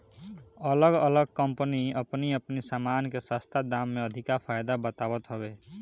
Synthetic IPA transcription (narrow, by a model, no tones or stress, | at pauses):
ələɡələɡ̚kəmpəniəpniəpnisamankesast̪ʰad̪amːeəd̪ʱikapʰajd̪abət̪abət̪ɦəbe